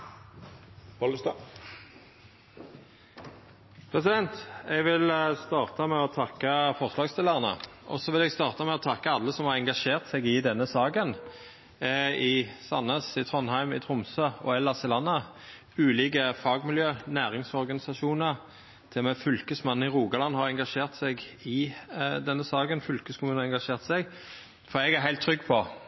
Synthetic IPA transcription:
ɔlst̪ː | pʰɾɛsɪd̪ɛnt̪ɛɡʋɪlst̪ɑːʁt̪əmɛɔt̪ʰɑkːəfɔʁslɑːɡst̪ɪləʁənə̰ʔɔ̰sɔʋɪlɛɡst̪ɑːʁt̪əmɛɔt̪ʰɑkːəɑlːəsɔmhɑʁɛŋɡɑʃeːʁt̪sɛɡɪd̪ɛnːəsɑːɡən | ɪsɑnːəsɪt̪ʰʁɔnhæɪmɪ̰t̪ʰɾʊmsøɔɛlːɑsɪlɑnːɑ | ʉːliːɡəfɑːɡmɪljøːnæːɾɪŋsɔɾɡɑnɪsɑʂuːnəɾ | t̪ʰɪlmɛfʏlkəsmɑn̩ːɪʁuːɡɑlɑnːhɑɾɛŋɡɑʂeːʁt̪sɛɡɪd̪ɛnːəsɑːɡənfʏlkəskʰʊmʉːnəɛŋɡɑʂeːʁt̪sɛɡ | fɔɾɛɡæʁɦæɪlt̪ʰːɾʏɡːpʰɔ

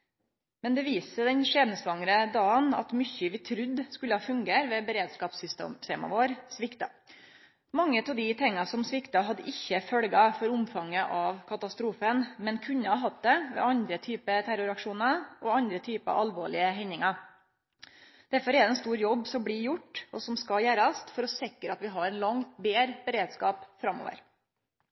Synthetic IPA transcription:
mɛnd̪ɛʋiːsəd̪ɛnʂeːd̪nəsʋɑŋɾəd̪ɑːənɑ̰t̪mʏçəʋɪt̪ʰɾʉd̪skʉlːəhɑːfʉŋɡeːɾʋɛbəɾeːd̪skɑːpsʏst̪ːt̪ḛːmɑ̰ʋoːɾsʋɪkt̪ɑ | mɑŋːət̪ʰɑʋd̪ɪt̪ʰɛŋːɑsɔmsʋɪkt̪ɑɦɑd̪əʔɪçːəfœlɡɑfɔɾʊmfɑŋːəʔɑʋkʰɑt̪ɑst̪ɾuːfənmɛnkʰʉnːəɑɦɑt̪̚d̪ɛʋɛ̰ːɑnd̪ɾət̪ʰyːpət̪ʰæɾʊɾɑkʂuːnɑʔɔɑnd̪ɾət̪ʰyːpəɑ̰ʔɑlʋoːɭɪəɦɛɲːɪŋɑ | d̪̥æɾfɔɾɛd̪ɛnst̪uːɾjɔbːsɔmbɽɪɾjʊʈːɔsɔmskɑjæːɾst̪fɔɾɔsɪkːəɾɑt̪ʋɪɦɑɾɛnlɑŋbeːɾbəɾeːd̪skɑːpfɾɑmːo̰ːʋə̰ɾ

